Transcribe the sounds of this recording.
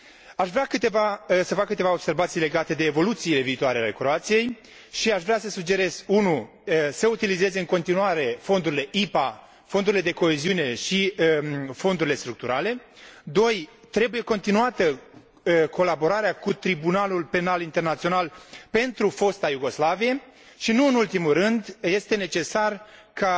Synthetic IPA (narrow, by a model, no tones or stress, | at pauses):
aʃvɾeakɨt̪e̞vasəfakːɨt̪e̞vao̞b̥se̞rvat̪sijle̞ɡat̪e̞d̪e̞ːvo̞lut̪siːle̞viːt̪oaɾeale̞kɾo̞at̪sije̞j | ʃiaʃvɾeasəsud͡ʒe̞ɾe̞z̥unu | səut̪ilize̞ze̞ɨŋko̞nt̪inuaɾe̞fo̞nd̪uɾile̞ʔipa | fo̞nd̪uɾile̞d̪e̞ko̞eziune̞ʃi | fo̞nd̪uɾile̞st̪ɾuk̚t̪uɾʔale̞d̪o̞j | t̪ɾe̞buje̞ko̞nt̪inuat̪ə | kʰo̞labo̞ɾaɾeakut̪ɾibunalulpe̞nalint̪e̞rnat̪sio̞nalpe̞nt̪ɾufo̞st̪ajuɡo̞slavije̞ | ʃinuɨnult̪imurɨnd̪je̞st̪e̞ne̞t͡ʃe̞sarka